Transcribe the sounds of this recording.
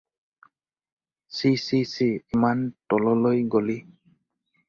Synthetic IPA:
sisisiimantɔlɔlojɡoli

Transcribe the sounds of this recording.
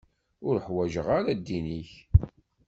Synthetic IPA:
ʊɾəħwæʒəʁaɾad̪ːiniç

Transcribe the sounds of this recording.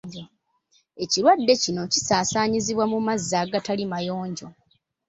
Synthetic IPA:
e̞ciɾwadːe̞cino̞cisaːsaːɲiziβwamumazːaːɡatalimajo̞ːɲɟo̞

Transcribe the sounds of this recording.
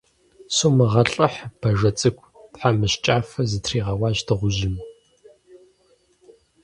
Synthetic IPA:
soːmɨʁɐɬʼɨħb̥ɐʒɐt͡sʼɨkʷʰʼtħamɨɕt͡ʃʼaːfɐzɨtʰriːʁɐwɑːʑtʰɨʁʷʊʒɪm

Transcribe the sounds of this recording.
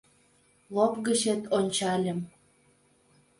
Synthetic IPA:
lopɣə̆t͡ɕet̪onʲt͡ɕɑlʲə̆m

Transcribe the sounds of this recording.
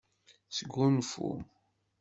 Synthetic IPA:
səɡːunfṵ

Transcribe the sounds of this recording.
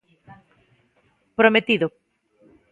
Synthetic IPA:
pɾomet̪iðʊ

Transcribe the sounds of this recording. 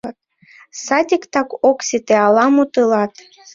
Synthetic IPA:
t̪̚ | sɑd̪ʲikt̪ɑkoksʲit̪eɑlˠɑmut̪ɯlɑt̪

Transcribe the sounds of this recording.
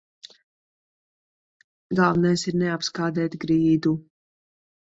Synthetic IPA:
ɡalˠvnajsiɾnɛapskaːd̪ɛːt̪ɡɾiːd̪u

